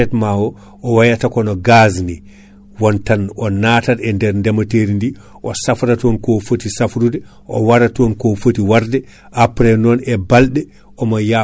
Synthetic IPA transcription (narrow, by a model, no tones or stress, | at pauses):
ɛtmawɔ | ʔɔwajatakɔnɔɡazni | wɔntanɔnaːtaɾɛndɛɾndɛmateɾindi | ʔɔsafɾatɔnkɔfotisafɾudɛ | ʔɔwaɾatɔnkɔfotiwaɾdɛ | ʔapɾɛnɔnɛbalɗɛ | ʔɔmaja